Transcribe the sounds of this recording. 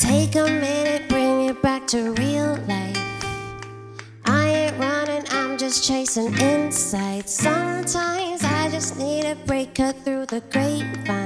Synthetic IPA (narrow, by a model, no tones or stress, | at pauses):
tʰeɪkəmɪnɨt̚b̥ɹɪ̃ŋɨt̚b̥æk̚tʰɨɹilˠlaɪf | ʔaɪɨɪ̃ʔɹʌ̃nɨ̃nãɪ̃md͡ʒʌst͡ʃʰeɪsɪ̃ŋɪ̃nsaɪd̥sʌ̃mtʰãɪ̃mzaɪd͡ʒʌsnid̚ɨbɹeɪkʌt̪̚θɹʉðɨɡɹeɪt̚fã